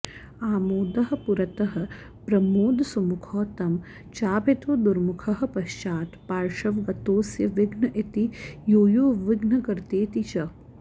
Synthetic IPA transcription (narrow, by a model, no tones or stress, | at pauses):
aːmoːd̪ɐɦɐ̆puɾɐt̪ɐɦɐ̆ | pɾɐmoːd̪sɐmukʰɔːt̪ɐm | t͡ʃaːpet̪ʋɐd̪uɾmukʰɐɦɐ̆pɐʃt͡ʃaːt̪paːɾʃɐʋɡɐt̪oːsjɐʋɪɡnɐʔit̪ijoːjoːʋɪɡnɐkɐɾt̪eːt̪it͡ʃɐ